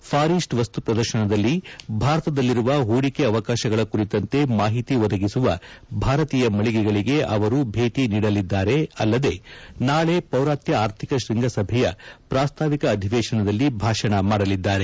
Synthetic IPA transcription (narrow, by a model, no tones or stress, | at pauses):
pʰaːɾiːsʈʋɐst̪upɾɐd̪ɐɾʃɐɳɐd̪ɐlːibʱaːɾɐt̪ɐd̪ɐlːiɾuʋɐɦuːɽikeɐʋɐkaːʃɐɡɐɭɐkuɾit̪ɐnt̪e̞maːɦit̪iʋɔd̪ɐɡisuʋɐbʱaːɾɐt̪iːjɐmɐɭiɡɛɡɐɭiɡe̞ʔɐʋɐɾubʱe̞ːʈiniːɽɐlid̪ːaːɾe̞ɐ̰lːɐd̪e̞naːɭe̞pɐwɾaːt̪jɐaːɾt̪ʰikɐʃɾiŋɡʱɐsɐbʱɛjɐ̰pɾaːst̪ʰaːʋikɐːd̪ʱiʋɛːʃɐɳɐd̪ɐlːibʱaːʂɐɳɐmaːɽɐlid̪ːaːɾe̞